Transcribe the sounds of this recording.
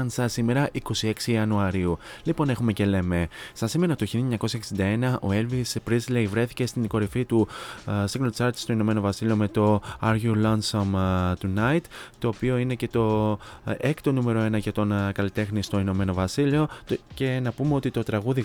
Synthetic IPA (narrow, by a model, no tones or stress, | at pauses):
nsɐsime̞ɾɐʔiko̞sie̞ksiɐnuɐɾiu | lipo̞ne̞xume̞ce̞le̞me̞sɐsime̞ɾɐt̪oçilɐɲɐko̞sɐksind̪ɐe̞nɐʔo̞̰e̞lvispɾizlejvɾe̞θi̥ce̞st̪inko̞ɾifit̪usiŋɣnolot̪isɐɾt̪si̥st̪oino̞me̞no̞vɐsilio̞me̞t̪o̞ɐɾʝiulɐnsɐmt̪unɐit̪ːo̞ːpio̞ine̞ce̞t̪o̞ | ekt̪o̞nume̞ɾo̞e̞nɐʝɐt̪o̞nkɐlit̪e̞xnist̪o̞ino̞me̞no̞vɐsilio̞ce̞nɐpumeo̞t̪it̪o̞t̪ɾɐɣuði